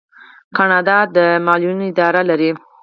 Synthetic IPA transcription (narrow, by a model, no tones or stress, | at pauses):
kɑnɑd̪ɑd̪əmɑljunoɪd̪ɑɾalaɾi